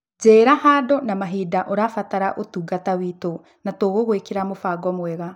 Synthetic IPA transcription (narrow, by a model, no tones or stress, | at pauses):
d͡ʒɛɾahaːdɔnamaɦidaʔoɾafataɾaʔotuːɡatawito | natoɣoɣoekeɾamofaɡɔmwɛɣa